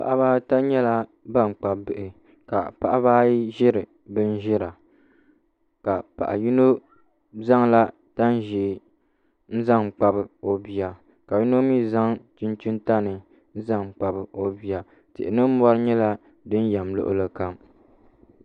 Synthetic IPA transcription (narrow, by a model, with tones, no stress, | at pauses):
pa̰˨ʔa˦baː˦ta˦ɲɛ˦la˦ | ba˦˨ŋ͡m̩˨k͡pa˨bɨ˨ʔɪ˨ | ka˨pa˦ʔa˦baː˦ʒɪ˦ɾɨ˨ | bɨ˦n̩˦ʒɪ˦ɾa˨ | ka˨pa̰˨ʔa̰˨ji˦no˦ | za˦ŋla˦ | ta˦n˦ʒi˨ | n̩˦za˦ŋ˨k͡pa˨bɨ˨o˨bi˨a˨ | ka˨ji˦no˦mi˦za˦ŋtu˦ntu˦nta˦nɨ˨ | n̩˦za˦ŋ˨k͡pa˨bɨ˨o˦bi˨a˨ | tɪ̰˨ʔɪ˨nɨ˦m̩˦mɔ˦ɾɨ˦ɲɛ˦la˦ | dɨ˦n˦jɛ˨mlo̰˦ʔʊ̰˦lɨ˦ka˦m